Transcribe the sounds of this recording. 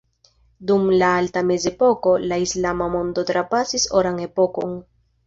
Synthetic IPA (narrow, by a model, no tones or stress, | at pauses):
dumlaaltame̞ze̞po̞ko̞laislamamo̞ndo̞tɾapasisoɾaŋe̞po̞ko̞ŋ